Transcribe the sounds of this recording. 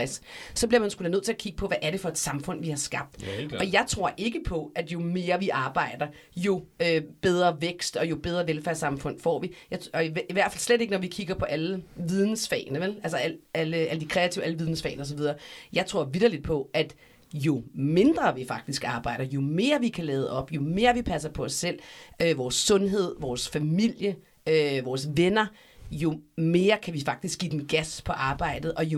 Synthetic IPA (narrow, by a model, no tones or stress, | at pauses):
ɛsːɒ̽b̥liɐmænsɡ̥ul̥ænøð̰ˠt͡sʰe̝ækʰiɡ̥ə̥pʰɒ̽ʋæʔæɐɾe̝fɒ̽e̝d̥sɑ̈mfɔ̽n̰ʋihɑ̈sɡ̥ɑ̈b̥̚d̥ɒ̽jɑ̈ɪt͡sʰʁo̝ɐ̰ʔe̝ɡ̥əpʰɒ̽ʔæd̥jo̝me̝ːɐʋiʔɑ̈ːb̥ɑ̈ɪ̰d̥ɐ | jo̝øb̥eð̞ˠʁɐʋeɡ̥sd̥ɒ̽jo̝b̥eð̞ˠʁɐʋelfæɐsɑ̈mfɔ̽n̰fɒ̰ːʋijɑ̈ɪɒ̽iiʋæɐ̰̥fælsleɾ̥e̝ɡənɒʋikʰiɡ̥ɐpʰɒ̽ʔæləʋið̞ˠn̩sfɛ̰ːɪnəʋelælsɐæləæləd̥i̥kʰʁɛːæt͡sʰḭʊ̰ʔæləʋiðˠn̩sfɛ̰ɪnəɒ̽s̬ɒʋið̞ˠɐːjɑ̈ɪt͡sʰʁo̝ɐ̰ʋid̥ɐlid̥̚pʰɒ̽æd̥ | jo̝me̝nd̥ʁɐʋifɑ̈ɡ̥d̥isɡ̥ɑ̈ːb̥ɑ̈ɪ̰ɾ̥ɐjo̝me̝ːɐʋikʰælɛːðˠʔɒ̽b̥jo̝me̝ːɐʋipʰæsɐpʰɒ̽ɒ̽sːel̰øʋɒːsːɔ̽nɦe̝ð̞̰ˠʋɒːsfæmil̰jə | øʋɒːsʋenɐ | jo̝me̝ːɐkʰæʋifɑ̈ɡ̥̚d̥isɡ̥ḭːd̥en̩ɡ̥æspʰɒ̽ʔɑ̈ːb̥ɑ̈ɪ̰d̥ð̩ˠʔɒ̽jo